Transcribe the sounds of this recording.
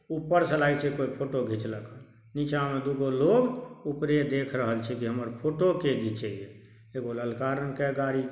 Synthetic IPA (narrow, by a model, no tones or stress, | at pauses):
upːəɾsəlait͡ʃʰɛkoipʰoʈoɡʱit͡ʃləka | nit͡ʃamed̪uɡoloːɡupɾed̪eːkʰɾəɦəlt͡ʃʰikiɦəməɾpʰoːʈokeɡʱit͡ʃeije | eɡoləlkaɾənkɛɡaɽi